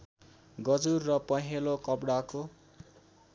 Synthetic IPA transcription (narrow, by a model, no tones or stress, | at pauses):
ɡʌd͡zurːʌpʌɦelokʌbɽako